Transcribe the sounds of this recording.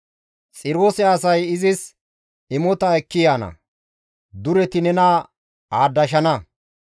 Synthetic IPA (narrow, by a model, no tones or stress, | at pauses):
t͡sʼɪɾoːsɛɐsɐjɪzɪs | ɪmɔt̪ɐɛkːɪjaːnɐ̰ | d̪ʊɾɛt̪ɪnɛnɐ | aːd̪ːɐʃ̬ɐnɐ